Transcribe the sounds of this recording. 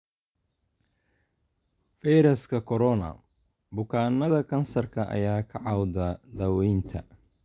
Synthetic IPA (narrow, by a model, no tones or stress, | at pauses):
fijɾɐskʰɐkʰɔɾɔnɐ̰ | bʊkʰaːnɐðɐkʰɐnsɐrkʰɐʔɐ̰jaːkʰɐʕɑwd̪ɐd̪ɐwɛjnt̪ʰɐ̰